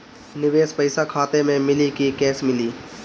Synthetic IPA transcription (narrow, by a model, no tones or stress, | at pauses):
nɪʋeːspəɪsakʰaːt̪emẽmɪlikikɛːsmɪliː